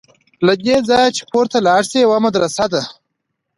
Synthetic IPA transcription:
lad̪ed͡zɑːjat͡ʃe̥pʰoɾt̪alɑːʂsewamad̪ɾasad̪a

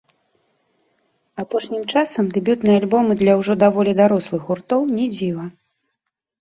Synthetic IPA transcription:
apɔʂnʲimt͡ʂasɐmd̪ɨbʲut̪nɨjalʲbɔmɨd̪lʲɐwʐɔd̪avɔlʲid̪aɾɔslˠɨxɣurt̪ɔwnʲɛd͡zʲivɐ

